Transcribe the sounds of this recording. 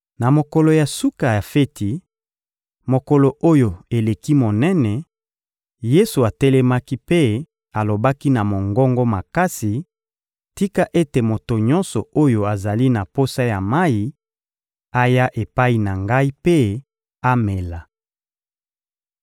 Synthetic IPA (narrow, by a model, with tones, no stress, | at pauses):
na˨mo˨kɔ˨lo˨ja˨su˦ka˨ja˨fe˦ti˨ | mo˨kɔ˨lo˨ʔo˦jo˨e˨le˨ki˦mo˨nɛ˦nɛ˨ | je˦su˨a˨tɛ˦lɛ˦ma˦ki˦pe˦ | a˨lo˨ba˦ki˦na˨mo˨ŋɡɔ˦ŋɡɔ˦ma˨ka˦si˨ | ti˦ka˦ʔe˦te˨mo˨to˨ɲɔ̃˦nsɔ˨o˦jo˨a˨za˨li˦na˨po˦sa˦ja˨ma˦i˦ | a˦ja˦ʔe˨pa˦i˨na˨ŋɡa˦i˦pe˦ | a˦me˨la˨